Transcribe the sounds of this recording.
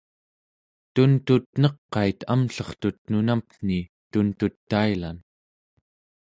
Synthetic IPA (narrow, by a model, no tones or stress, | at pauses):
t̪unt̪ut̪nʌqːɑit̪ʰamɬʌχt̪ut̪nunampn̥i | t̪unt̪ut̪ːaila̰n